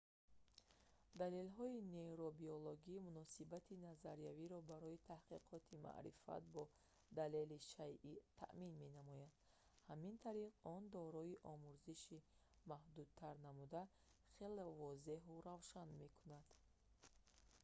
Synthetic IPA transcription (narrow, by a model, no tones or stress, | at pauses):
d̪ale̞lɦɔine̞ɾobioloɡimunɔsibat̪ʰinazaɾijaviɾɔbaɾɔit̪ʰahqiqʰɔt̪ʰima̰ʔɾḭfa̰t̪̚bɔ | d̪ale̞liʃajʔit̪ʰa̰ʔminme̞namɔjad̪̥ | hamint̪ʰaɾiʁɔnd̪ɔɾɔiʔɔmuɾziʃi | mahd̪ud̪̚t̪ʰaɾnamud̪a | χelevɔze̞ɦuɾavʃanme̞kʰunad̪̥